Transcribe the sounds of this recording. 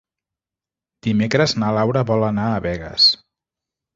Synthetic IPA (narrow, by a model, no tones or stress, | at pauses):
d̪̥imekɾəznalawɾəβɔlənaːβɛɣə̰s